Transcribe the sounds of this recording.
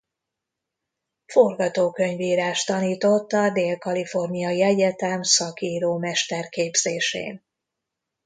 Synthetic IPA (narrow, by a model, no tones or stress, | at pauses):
forɡɒt̪oːkøɲviːɾaːʃt̪ɒniːt̪o̞t̪ːɒd̪eːlkɒlifo̞rnijɒiɛɟɛt̪ɛmsɒkiːɾoːmɛʃt̪ɛrkeːbz̥eːʃḛːn